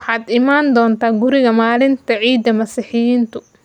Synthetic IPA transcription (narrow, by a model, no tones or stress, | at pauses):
wħɑːd̪ɪmaːnd̪ɔːnt̪ʰaːɡʊɾɪɣɐmaːlɪnt̪ʰɐʕiːd̪ːɐmɐsɪħɪjiːnt̪ʰʊ